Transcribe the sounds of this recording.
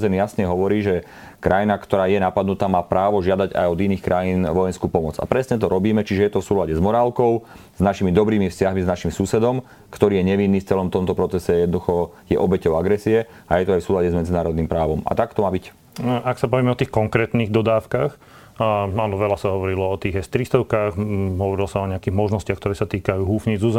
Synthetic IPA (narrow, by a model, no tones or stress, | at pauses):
zɛnjasɲɛɦɔʋɔɾiːʒɛ | kɾʔajinakt̪ɔɾaːjɛnapad̪nut̪aːmaːpɾaːʋɔʒɪad̪aɟa̰jɔd̪iniːxkɾʔajiːnʋɔjɛnskuːpɔmɔd͡za̰pɾɛsɲɛt̪̬ɔɾɔbiːmɛt͡ʃiʒɛjɛt̪ɔfsuːlaɟɛzmɔɾaːlkɔʊz̥naʃimid̪ɔbɾiːmifscaɦmiznaʃimsusɛd̪ɔm | kt̪ɔɾiːjɛɲɛʋinːiːft͡sɛlɔmt̪ɔmt̪ɔpɾɔt͡sɛsɛjɛd̪nd̪uxɔjɛʔɔbɛcɔʊaɡɾɛsiɛ | ajɛt̪ɔajfsuːlaɟɛzmɛd͡zinaːɾɔd̪niːmpɾaːʋɔma̰t̪akt̪ɔmaːbic | aksabɔʋjɛːmɛɔt̪iːxkɔŋkɾɛːt̪niɣd̪ɔd̪aːʊkax | anɔʋɛlasaɦɔʋɔɾilɔɔt̪iːɣɦɛst̪ɾist̪ɔʊkaxɦɔʋɔɾilɔsaɔɲɛakiːɣmɔʒnɔscɪaxkt̪ɔɾɛːsat̪iːkajuːɦuːfɲid͡zuz